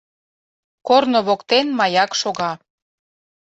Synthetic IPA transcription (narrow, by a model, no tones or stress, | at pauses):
kornoβokt̪enmɑjɑkʃoɣɑ